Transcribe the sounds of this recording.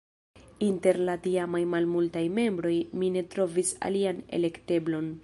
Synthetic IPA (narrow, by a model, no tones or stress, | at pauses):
inte̞ɾlatiamajmalmultajme̞mbɾo̞jmine̞tɾo̞visa̰liane̞̰le̞kte̞blo̞n